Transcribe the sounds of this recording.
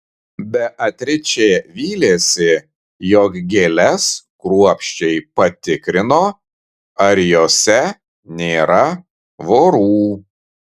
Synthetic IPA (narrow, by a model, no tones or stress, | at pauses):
bʲɛʔɐt̪ʲɾʲɪt͡ʃʲeːʋʲiːlʲeːsʲɪ | jɔːkɡʲeːlʲɛskɾuɔpʲʃʲt͡ʃʲɛɪpɐt̪ʲɪkɾʲɪnoː | ɐɾjoːsʲɛ | nʲeːɾɐ | ʋoːɾuː